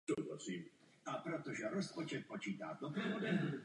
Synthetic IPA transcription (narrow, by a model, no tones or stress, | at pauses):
t̪obasiːm | ʔapɾot̪oʒɛɾospot͡ʃɛt̪̚pot͡ʃiːt̪a̰ːd̪opɾɛvodɛ